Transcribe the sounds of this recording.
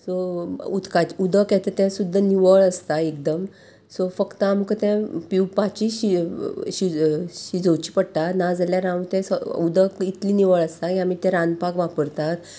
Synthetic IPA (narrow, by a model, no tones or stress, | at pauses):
sout̪kat͡ɕud̪əkɛt̪et̪ɛ̃sud̪ʱːəniʋəɭəst̪aek̚d̪əm | sofəkt̪əamkət̪ɛ̃piwpat͡ɕiɕiɕiɕid͡zowt͡ɕiːpəɽt̪anad͡zaljaɾãwt̪ɛ̃səud̪əkit̪liːniʋəɭəst̪akĩam̤it̪ɛ̃ɾãnpakʋapəɾt̪at̪